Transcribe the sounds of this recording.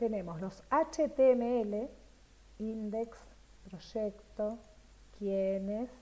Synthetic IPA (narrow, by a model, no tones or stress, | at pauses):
t̪enemoslosat͡ʃet̪emeele | ind̪eks | pɾoʃekt̪o | kjenes